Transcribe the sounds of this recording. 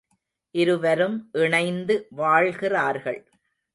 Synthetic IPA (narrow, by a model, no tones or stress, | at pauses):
ʔɪɾɯʋɐɾɯmʔɪɳɐɪnd̪ɯʋaːɭɣɪraːɾɣɐɭ